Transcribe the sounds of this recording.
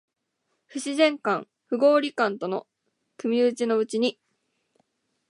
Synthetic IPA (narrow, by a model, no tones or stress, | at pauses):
ɸɯ̟ɕizẽ̞ŋkãŋ | ɸɯ̟ɡo̞ːɾʲikãnt̪o̞no̞̰ | kɯ̟mʲiɯt͡ɕino̞ɯ̟t͡ɕiɲ̟i